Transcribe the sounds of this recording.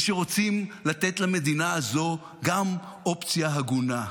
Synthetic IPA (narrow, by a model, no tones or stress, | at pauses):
ʃeʁo̞t͡simlat̪e̞t̪lame̞d̪inaːzo̞ | ɡam | o̞pt͡sjaɦaɡuna